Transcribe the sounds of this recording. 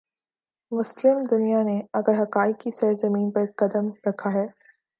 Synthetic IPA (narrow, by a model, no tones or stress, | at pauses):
mʊslɪmd̪ʊnijaneɐɡəɾɦɐkaːɪiɡisɐɾzɐmiːnpɐɾkɐd̪əmɾɐkʰaɦɛː